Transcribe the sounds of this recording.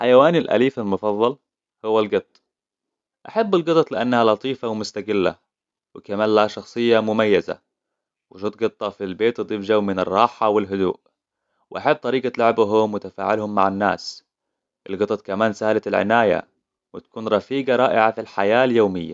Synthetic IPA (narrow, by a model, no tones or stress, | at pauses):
ħajawaːnɪlʔa̰liːfalmʊfɑðˤːɑl | hʊwːalɡɨt̪ˤː | ʔaħabːɪlɡɨt̪ˤɑt̪ˤlɪʔanːahalɑt̪ˤiːfawɪmʊst̪aɡɪlːa̰ | wɪkamaːlaʃɑxsˤɨjːamʊmajːaza̰ | wɪʃut̪̚ɡɨt̪ˤːɑfilbeːt̪ɨd̪ˤiːfd͡ʒawmɪnɪrˤːɑːħawɪlɦʊd̪ṵːʔ | wɪʔaħab̚ːt̪ˤɑɾiːɡat̪lʊʕbɦʊmwɪt̪afa̰ːʕɪlhʊmːaʕanːa̰ːs | ʔɪlɡɑt̪ˤɑt̪̚kamaːnsahlaɪlʕɪ̰naːja̰ | wɪt̪ḁkuːnɾˤɑfiːɡɑɾˤɑːʔɪʕafilħajaːljoːmɪjːa̰